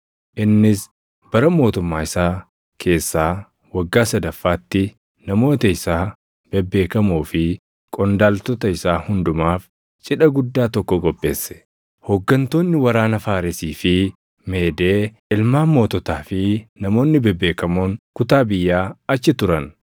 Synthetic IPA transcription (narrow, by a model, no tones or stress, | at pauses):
ʔɪnːɪs | b̥ɐɾɐmo̞ːt̪ʊmːaːɪsaː | kʰe̞ːsːaː | wɐɡːaːsɐd̪ɐfːaːt̪ːɪ | nɐmo̞ːt̪ɐɪsaː | b̥ɛbːe̞ːkɐmoːfɪ | kʼɔnd̪aːlt̪ɔt̪ɐɪsaːhʊnd̪ʊmaːf | t͡ʃʼɪᶑɐɡʊd̪ːaːt̪ɔkːɔɡɔbːe̞ːsːɛ̥ | hɔɡːɐnt̪o̞ːnːɪwɐɾaːnɐfaːɾɪsiːfɪ | me̞ːd̪e̞ː | ɪlmaːmo̞ːt̪ɔt̪aːfɪnɐmo̞ːnːɪbɛbːeːkɐmoːŋkʊt̪aːbɪjːaːɐt͡ʃːɪt̪ʊɾɐn